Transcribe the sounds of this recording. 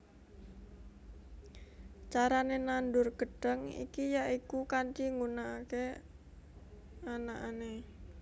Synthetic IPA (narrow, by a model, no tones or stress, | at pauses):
t͡ʃaɾanenandʊrɡ̥ə̤ɖ̥əŋḭkijaʔikukant͡ʃiŋɡunaːke | anaʔane